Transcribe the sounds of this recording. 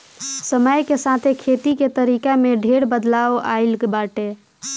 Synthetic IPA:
səməjkesat̪ʰekʰet̪iket̪əɾikameɖʱeɽbəd̪laoa̰ɪlkebaʈe

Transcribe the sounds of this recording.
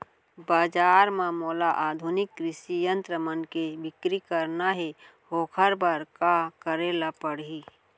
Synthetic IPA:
baːd͡ʒaːɾmãmoːlaʔaːd̪ʱʊnɪkːɾɪsijə̃nt̪ɾəmənkebɪkɾikəɾnaɦe | ɦoːkʰəɾbaɾkakəɾeːlapəɽiː

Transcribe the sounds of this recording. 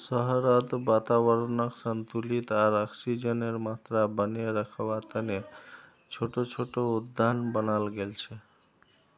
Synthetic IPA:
səɦəɾəd̪bat̪aβəɾnəksənt̪ulit̪aɾɔksid͡ʒəneɾmat̪ɾabəneɾəkʰbat̪əne | t͡ʃʰoʈot͡ʃʰoʈoud̪ʱːanbənalɡelt͡ʃʰɛ

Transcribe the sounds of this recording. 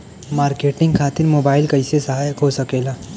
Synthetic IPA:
maːɾkeːʈɪ̃ŋɡkʰaːt̪ɪɾmoːbaːɪlkəɪsesəɦaːjəkɦosəkeːlaː

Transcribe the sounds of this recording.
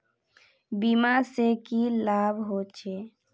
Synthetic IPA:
bimasekilaːbʱɦot͡ʃʰe

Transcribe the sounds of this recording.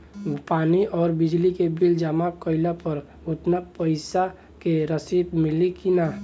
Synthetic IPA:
paːniʔɔːɾbɪd͡ʒlikebild͡ʒamakəɪlapəɾ | ot̪napəɪsa | keɾəsib̪mɪlikina

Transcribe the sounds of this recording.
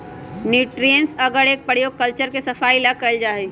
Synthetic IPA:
niːʈɾijənsɐɡəɾeːk̚pəɽjoːɡ̚kəlt͡ʃəɾkesɐfaːilakɐəld͡ʒaːɦeː

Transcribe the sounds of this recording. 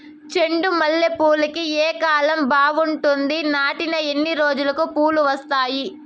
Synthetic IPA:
t͡ʃe̞ɳɖumɐlːepuːlikieːkaːlɐmbaːʋuɳʈund̪inaːʈinɐe̞nːiɾo̞ːd͡ʒulɐkupuːluʋɐst̪aːji

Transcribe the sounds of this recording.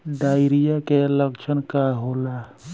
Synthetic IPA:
ɖaːɪɾijakeləkt͡ʃʰənkaɦola

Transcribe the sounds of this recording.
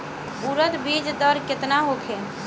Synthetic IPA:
buɾət̪bid͡ʒd̪əɾket̪naɦokʰe

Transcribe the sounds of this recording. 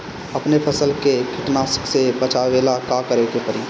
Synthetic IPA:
ɐpnepʰəsəlkekʰɪʈnaːsə̥ksebət͡ʃʰaʋeːlakakəɾeːk̪epəɾiː

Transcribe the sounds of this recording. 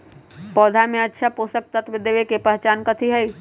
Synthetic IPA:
pɔːd̪ʱamẽətːʃʰapoːsək̚t̪ət̪ʋɪd̪eʋekepəɦt͡ʃaːnkət̪ʰiɦɛi

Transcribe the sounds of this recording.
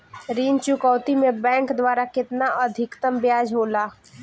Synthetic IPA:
ɾiːnt͡ʃʊkɔːwt̪imẽbɛ̃ːŋkd̪waːɾakɪt̪naʔəd̪ʱɪkt̪əmbjaːd͡ʒɦoːlaː

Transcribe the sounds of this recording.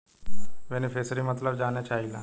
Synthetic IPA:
benifʰeːsɾimɐt̪ləbd͡ʒaːnjat͡ʃaːɦila̰ː

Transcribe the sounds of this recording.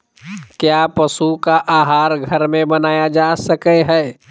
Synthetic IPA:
kjaːpəsukaʔaːɦaːɾɡʱɐɾmẽbənaːjad͡ʒasəkəɦɛː

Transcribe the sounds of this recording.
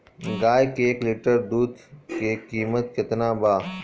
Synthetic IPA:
ɡaːjkeːklɪʈəɾd̪uːd̪kekiːmət̪kɪt̪naːbaː

